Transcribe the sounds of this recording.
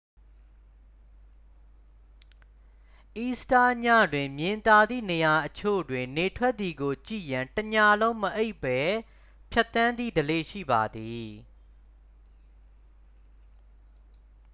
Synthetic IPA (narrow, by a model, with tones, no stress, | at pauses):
ʔi˦sta˦ɲä̰˦˨dwɪ̃˨mjɪ̃˨nt̪a˨d̪ðḭ˦˨ne˨ja˨ʔət͡ɕʰo̰˦˨dwɪ̃˨nne˨tʰwɛ˦t̪̚ːi˨ɡo˨t͡ɕḭ˦˨jã˨ntəɲa˦˨lõ˦ʊ̃məʔe˦ɪʔpːɛ˦ | pʰja˦t̪ːã˦nd̪ðḭ˦˨dəle˦˨ʃḭ˦˨ba˨d̪i˨